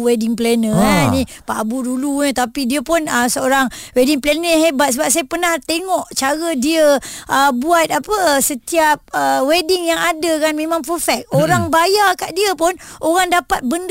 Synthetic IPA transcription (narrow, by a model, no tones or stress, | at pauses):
wedɪŋplenə̃nĩpabuduluɲət̪apidiəpʊnəsəoɾaŋwediŋplenəɦebat̪̚səbap̚sajapənaht̪eŋɔʔt͡ʃaɣədiəʔəbuat̪̚apəsət̪iap̚əwedɪŋjaŋadakanmẽmãŋpəfɛk̚oɾaŋbajakaʔdiəpʊnʔoɾaŋdapat̪̚bənd